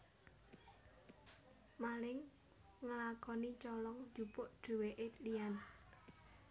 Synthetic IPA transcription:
malɪŋ | ŋəlakɔnit͡ʃɔlɔŋd͡ʒupʊʔɖ̥e̤weʔelijan

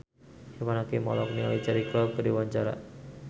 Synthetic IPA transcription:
amanakimɔ̰lɔk̚nia̰lit͡ʃaɾiklab̚kədiwaɲt͡ʃaɾa̰

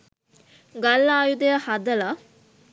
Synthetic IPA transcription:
ɡalːaːjud̪əjəhad̪əla

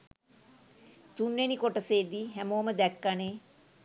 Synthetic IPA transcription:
t̪unʋenikoʈəseːd̪iɦɛmoːməd̪ɛkːaneː

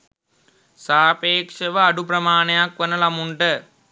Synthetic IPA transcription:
saːpeːkʂəʋəaɖupɾɐmaːnejakʋənəlamuɳʈə

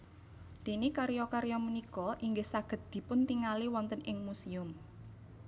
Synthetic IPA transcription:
t̪inikaɾjɔkaɾjɔmənikɔʔiŋɡɪhsaɡ̥ə̤t̪̚d̪̥i̤pʊnt̪iŋaliwɔnt̪ənʔɪŋmusiʊm

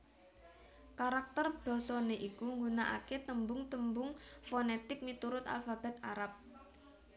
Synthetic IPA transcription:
kaɾak̚t̪ərb̥ɔ̤sɔneʔikuŋɡunaʔa̰ket̪əmbʊŋt̪əmbʊŋfonet̪ɪk̚mit̪uɾʊt̪a̰lfab̥a̤t̪aɾap̚

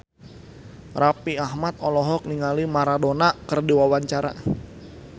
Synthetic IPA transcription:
rapiaɦmat̪̚ɔlɔɦɔk̚niŋalimaɾadonakərdiwawaɲt͡ʃaɾa̰

